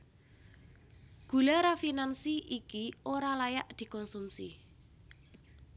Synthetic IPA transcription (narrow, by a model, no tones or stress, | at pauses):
ɡ̥ṳlaɾafinansiʔikioɾalajaʔd̪̥i̤kɔnsumsḭ